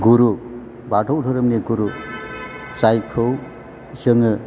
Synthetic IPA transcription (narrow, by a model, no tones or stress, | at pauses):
ɡuɾu | badʰʱɔwtʰɔɾɯmniɡuɾu | sajkʰɯw | zɯŋɯ